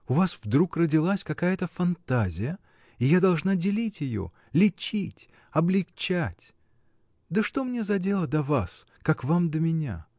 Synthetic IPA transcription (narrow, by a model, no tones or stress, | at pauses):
ʊvasvd̪ɾukrədʲɪlˠasʲkɐkajət̪əfɐnt̪azʲɪjə | ɪjad̪ɐlˠʐnadʲɪlʲitʲjɪjo̰ | lʲɪt͡ɕitʲ | ɐblʲɪkt͡ɕætʲ | d̪əʂt̪o̞mnʲe̞zɐdʲe̞lˠəd̪ɐvas | kakvamd̪əmʲɪnʲa̰